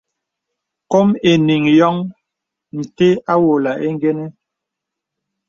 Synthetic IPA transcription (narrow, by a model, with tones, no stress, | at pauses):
kɔ˦me˨ni˨ŋjɔ˦ŋ | ni˨te˦a˦wo˨la˨ʔe˦ŋ˦ɡɛ˦nɛ˦